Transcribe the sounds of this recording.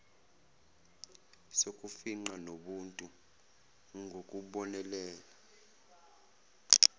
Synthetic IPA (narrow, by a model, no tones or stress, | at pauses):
sok̬ʼufiŋ͡ǃanoɓuntʼu | ŋɡʱok̬ʼuɓɔnɛlɛːla